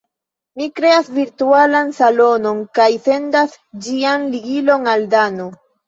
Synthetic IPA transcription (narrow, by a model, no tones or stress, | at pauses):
mikɾe̞asviɾtualansalo̞no̞ŋkajse̞ndas | d͡ʒianliɡilo̞ŋaldano